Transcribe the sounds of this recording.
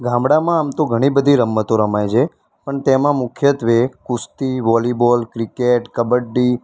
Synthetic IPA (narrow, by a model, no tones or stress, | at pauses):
ɡãmbɽamãːmt̪oɡʱəɽ̃ibəd̪ʱiɾəmːət̪oɾəmajd͡ʒe | pəɳt̪emãmʊkʰjət̪ʋekust̪iʋɔlibɔlkɾikeʈkəbəɖi